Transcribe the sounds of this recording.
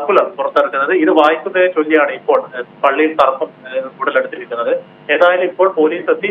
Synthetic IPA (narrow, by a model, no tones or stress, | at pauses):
pːulɐmpurɐt̪ːɐɽukːunːɐðɨiðɨʋaːjikʲːunːɐðet͡ɕolːijaːɳɨipːo̞ːɭpɐɭːijilt̪ɐrɐpːɐmkuːɽɐleɽut̪ːiɾikʲːunːɐðɨ | e̞ːðaːjilumipːo̞ːɭpo̞ːliːset̪ːi